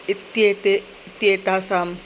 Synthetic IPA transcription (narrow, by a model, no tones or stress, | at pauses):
ɪt̪jet̪e | t̪jeːt̪asam